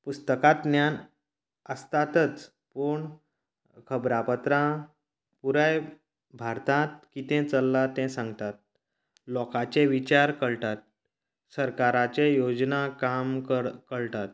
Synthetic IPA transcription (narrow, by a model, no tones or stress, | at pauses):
pust̪əkãt̪njan | əst̪at̪ət͡s | puɳ | kʰəbɾapət̪ɾã | puɾaj | bʱaɾt̪ãt̪̚kit̪ɛ̃t͡səlːat̪ɛ̃sãŋɡt̪at̪̚ | lɔkat͡ɕẽʋit͡ɕaɾkəɭt̪at̪̚ | səɾkaɾat͡ɕejod͡znakamkəkəɭʈ̪at̪̚